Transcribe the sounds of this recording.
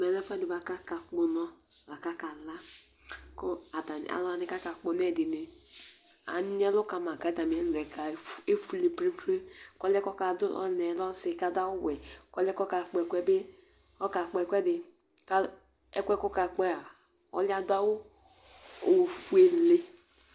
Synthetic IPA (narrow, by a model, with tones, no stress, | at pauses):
mɛ˨lɛ˦fa˦di˨ba˨ka˦ka˨k͡pu˨nɔ˦ | la˨ka˦ka˨la˦ | kɔ˦a˨da˨n̰˨a̰˨la˨ni˦ka˦ka˨k͡po˨ne˦˨di˨ne˨ | a̰˨n˦e˦lo˦ka˨ma˨ka˨˦da˨m˨e˦lɾɛ˨ka˨˦e˦fu˨˦le˨pɾi˦pɾe˦kɔ˦lɛ˦kɔ˦ka˨du˦ɔ̰˦ne˨lɔ˦si˨ka˨da˦wu˦we˨kɔ˦lɛ˦kɔ˦ka˨k͡pkʷɛ˦be˦ | ɔ˦ka˨k͡pe˨kʷɛ˦dɪ˨ | ka˦ | e˦kʷɛ˦kɔ˦ka˨k͡pe˦a˨ | ɔ̰˦li˦a˦da˦wu˦ | o˨fu˦e˨le˦